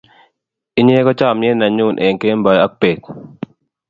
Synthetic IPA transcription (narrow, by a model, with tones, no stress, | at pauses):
i˦ɲe˦kɔ˦t͡ʃa˦˨mje˦na˨ɲu˦˨nʔe˨ŋke˦mba˨ja˦k̚pe˨k